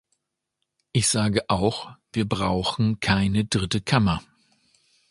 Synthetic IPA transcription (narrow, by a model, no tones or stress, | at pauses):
ʔɪçz̥aːɡəʔaʊxv̥iːɐbʁaʊxn̩kʰaɪnədʁɪtəkʰamɐ